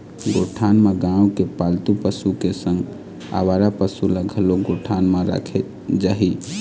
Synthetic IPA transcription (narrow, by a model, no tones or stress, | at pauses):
ɡoʈʰanmeɡãũkepalt̪upəsukesəŋɡ | a̰baɾapəsuləɡʱəloɡoʈʰanmaɾa̰kʰe | d͡ʒaɦi